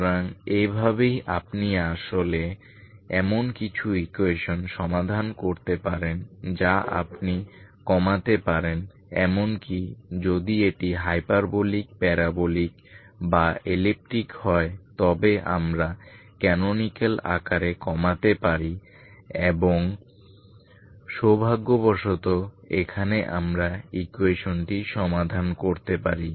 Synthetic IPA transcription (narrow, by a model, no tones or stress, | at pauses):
ɾaŋebʱaβejʔapniaʃole | ɛmonkit͡ɕʰuikueʃonʃɔmad̪ʱankoɾt̪epaɾend͡ʑaʔa̰pnikɔmat̪epaɾen | ɛmonkid͡ʑod̪ieʈiɦajpaɾbolik̚pɛɾabolik | baelip̚ʈɾikhɔet̪ɔbeʔa̰mɾakɛnonikela̰kaɾekɔmat̪epaɾi | eboŋ | ʃobʱaɡːobɔʃot̪oekʰaneʔamɾaikueʃonʈiʃɔmad̪ʱankoɾt̪epaɾi